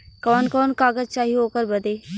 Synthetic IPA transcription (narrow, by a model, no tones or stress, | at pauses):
kɔːnkɔːnkaːɡəd͡ʒt͡ʃaːɦiɦoːkəɾbɐd̪eː